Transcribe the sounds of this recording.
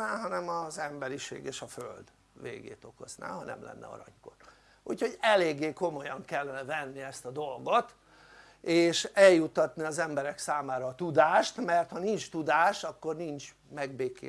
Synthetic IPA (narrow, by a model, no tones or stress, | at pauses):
aːɦɒnɛmɒzɛmbɛɾiʃḛːɡeːʃɒføld̪ | ʋḛːɡḛːt̪o̞ko̞̰zna̰ːɦɒnɛ̰mlɛ̰nːɛ̰ɒ̰ɾɒ̰ɲko̰r | ucho̞ɟɛleːɡːeːko̞mo̞jɒŋkɛlːɛnɛvɛnːiɛst̪ɒd̪o̞lɡo̞t̪ | eːʃɛljut̪ːɒt̪niɒzɛmbɛɾɛksaːmaːɾɒːt̪ud̪aːʃt̪mɛrt̪hɒnint͡ʃt̪ud̪aːʃɒkːo̞rnint͡ʃ | mɛɡ̚beːkḛː